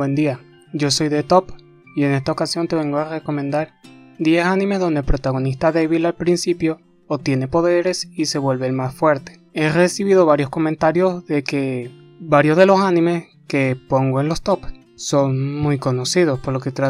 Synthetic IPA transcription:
wend̪ia | ɟ͡ʝo̞so̞jðe̞t̪o̞p | ie̞ne̞st̪aokasjo̞nt̪e̞βe̞ŋɡoare̞ko̞mẽnd̪aɾd̪je̞sanĩme̞zðond̪elpɾo̞t̪aɣ̞o̞nist̪aðe̞βilalpɾinsipjo̞ː | t̪je̞ne̞po̞ðe̞ɾe̞sise̞βwe̞lβe̞lmasfwe̞ɾt̪e̥ | e̞re̞siβiðo̞βaɾjosko̞mẽnt̪aɾjo̞zðe̞ke | baɾjo̞zðe̞lo̞sanĩme̞s | ke̞po̞ŋɡoe̞nlo̞st̪o̞p | so̞ŋmujko̞no̞sið̞o̞spoɾlo̞ket̪ɾa

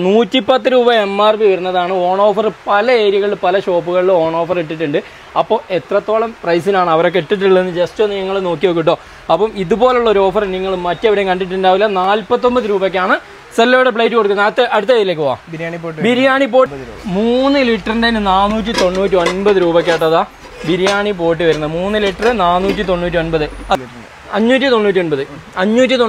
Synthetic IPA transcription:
nuːtːipɐt̪ːɨɾuːbɐe̞mːaːrbiʋɐɾunːɐðaːɳɨoːɳo̞ːfɐrɨpɐlɐe̞ːɾjɐɣɐɭilpɐlɐɕo̞ːpːuɣɐɭilo̞ːɳo̞ːfɐreʈ̬ːiʈːuɳɖɨ | ɐpːoːe̞t̪rɐt̪ːo̞ːɭɐmprɐjsilaːɳɨɐʋɐɾo̞kːeʈːiʈ̬ːuɭːenːɨd͡ʑestonɨeŋːɐɭeno̞ːkːiʋoːkːiʈ̬ːo̞ː | ɐpːɐmiðubo̞ːleuɭːɐoɾuo̞ːfɐrniŋːɐɭmːɐtːeʋiɽekɐɳɖiʈ̬ːuɳɖdaːʋilːɐnaːlpɐt̪ːo̞mbɐðɨɾuːbɐk̬ʲːaːɳɨ | selːɐjɽep̬ɭejtːɨko̞ɽukːunːɐt̪ːɐʔɐɽut̪̬ːɐɐjilekːɨʋa̰ːɾibiɾijaːɳip̬oːmuːnːɨliʈːɐrindeinɨnaːnːuːt̬ʲːit̪o̞nːuːtʲːionbɐðɨɾuːbɐk̬ʲːeːʈːɐðaː | biɾijaːɳip̬o̞ːʈ̬ːɨʋɐɾunːɐðɨmuːnːɨliʈːɐrɨnaːnːuːt̬ʲːit̪o̞nːuːt̬ʲːio̞nbɐðɨɐ | ɐɲːuːtʲːit̪o̞nːuːtʲːionbɐðɨɐɲːuːtːit̪o

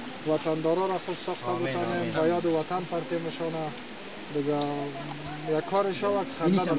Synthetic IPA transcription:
wat̪and̪ɔɾɔɾaxʊsɔχt̪abət̪ɔnembajɔd̪ɪwat̪anpaɾt̪emɪʃɔna | d̪ɪɡa | jakʰːɔɾɪʃawakxaa

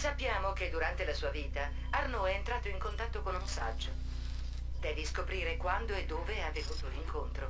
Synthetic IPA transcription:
sapːjaːmok̟ed̪ːuɾant̪elasuːaviːt̪a | arnoɛːnt̪ɾaːt̪oiŋkont̪at̪ːokonunsa̰d͡ʒːo | d̪ɛːviskopɾiːɾekwand̪oed̪ːoːveavet̪uːt̪oliŋkont̪ɾo

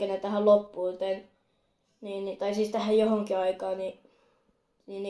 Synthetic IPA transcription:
enet̪æhællopːuːlt̪en | niːnnit̪ɑisist̪æhæjjohoŋkiɑikɑːni | nin

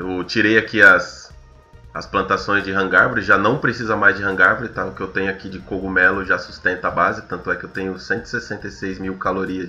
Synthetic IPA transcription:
ewt͡ʃiɾejakiɐs | ɐsplɐ̃nt̪asõj̃zd͡ʒɪɦɐ̃ŋɡaɾvʊɾɪʒanɐ̃w̃pɾesizɐmajzd͡ʒɪɦɐ̃ŋɡaɾvʊɾɪt̪aʊkɪewt̪ẽɲʊakid͡ʒɪkoɡumɛlʊʒasu̥st̪ẽnt̪ɐabazɪt̪ɐ̃nt̪ʊɛkɪewt̪ẽɲʊsẽnt̪ʊi̥sesẽnt̪ejsejzmiwkaloɾiɐ

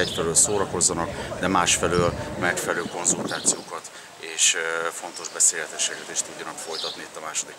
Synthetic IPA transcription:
ɛcfɛløːlsoːɾɒko̞zːɒnɒkd̪ɛmaːʃfɛløːlmɛkfɛlløːko̞nzult̪aːt̪sijoːkɒt̪ | eːʃfo̞nt̪o̞ʒbɛseːlɛt̪ɛʃːɛkɛt̪eːʃt̪uɟːɒnɒkfo̞jt̪ɒt̪niit̪ːɒmaːʃo̞d̪ik

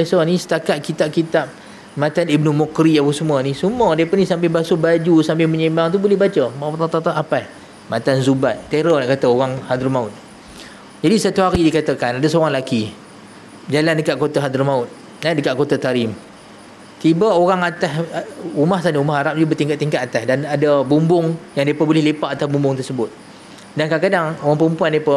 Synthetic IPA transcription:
esɔnĩsə̥t̪akat̪̚kit̪ap̚kit̪ap̚ | mãt̪anibnumɔkɾiapəsəmuənisumədapanĩsambɪhbasobad͡ʒusambɪhməɲemaŋt̪ubulɛhbat͡ʃəmat̪at̪at̪aʔapaj | mat̪anzubat̪̚t̪eɾɔnaʔkat̪aoɣaŋhad̪ərmaʊt̪̚ | d͡ʒadisat̪uhaɾidikat̪əkanadasoɣaŋlaki | d͡ʒalandəkaʔkot̪aɦad̪ərmaʊt̪̚ | nadəkaʔkot̪at̪aɾɪm | t̪ibaoɣaŋat̪ahumahsanəumahɦaɾap̚d͡ʒubət̪iŋkaʔ̚t̪iŋkat̪at̪asdanadabumbʊŋjaŋdepəbolɪhlepaʔat̪abumbʊŋt̪ərsəbʊt̪̚ | dankakadaŋoɣaŋpəəmpuandepa

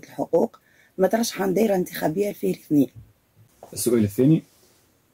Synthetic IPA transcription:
t̪əlħoquːq | mæt̪ɾˤɑʃːħand̪iɾænt̪ə̥xæbəjːælfihɾiθniː | ʔəsːʊʔæləθːæni

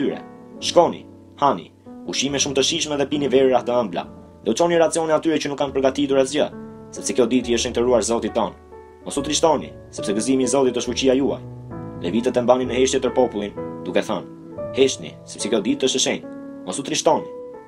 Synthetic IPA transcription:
yɾɛ̰ | ʃkɔnḭ | hanḭ | uʃimɛʃumt̪əʃiʃmɛðɛpinivɛɾiɾaht̪əəmbla̰ | d̪ɛut͡ʃɔniɾat͡siɔnɛat̪yɾɛt͡ʃənukːanpəɾɡat̪it̪uɾazd͡ʑə̰sɛpsɛkjɔd̪it̪iəʃɛnt̪əɾuaɾzɔt̪it̪ːɔn | mɔsut̪ɾiʃt̪ɔnḭ | sɛpsɛɡəzimiːzɔt̪it̪əʃt̪fuciajua̰jlɛvit̪ɛt̪ɛmbanimnəhɛʃt̪jɛpəɾpɔpulˠind̪ukɛθan | hɛʃt̪nḭsɛ̥psɛkjɔd̪it̪əʃəʃɛn | mɔsut̪ɾiʃt̪ɔni

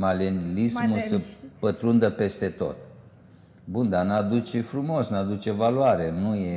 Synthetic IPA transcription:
malenilismusəpət̪ɾund̪əpe̞st̪e̞t̪o̞̰t̪ | bund̪anad̪ut͡ʃe̞fɾumo̞snad̪ut͡ʃe̞valuaɾenuje

